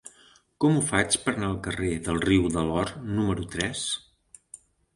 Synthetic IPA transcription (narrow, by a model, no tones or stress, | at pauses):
kɔmufat͡ʃpəɾnaəlˠkəreðəlˠriwðəlɔɾnuməɾut̪ɾɛs